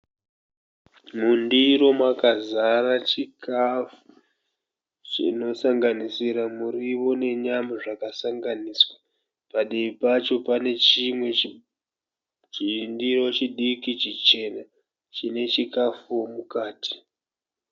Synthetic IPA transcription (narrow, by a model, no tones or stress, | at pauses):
mundiɾo̞mwakazaɾat͡ʃikafu̥ | t͡ʃḭno̞saŋɡanisiɾamuriwo̞ne̞ɲamaʐakasaŋɡaniːswa | paɗiipat͡ʃo̞pane̞t͡ʃimwe̞ | t͡ʃindiɾo̞t͡ʃiɗikit͡ʃit͡ʃe̞ːna | t͡ʃine̞t͡ʃikafuwomukaːti̥